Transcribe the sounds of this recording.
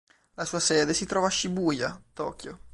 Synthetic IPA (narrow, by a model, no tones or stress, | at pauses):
lasuːasɛːd̪esit̪ɾɔːvaːʃibuːjat̪ɔ̰ːkjo